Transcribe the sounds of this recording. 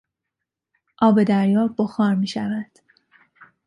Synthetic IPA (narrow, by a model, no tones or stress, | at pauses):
ʔɒːbe̞d̪æɾjɒːboxɒːɾmiːʃævæd̪̥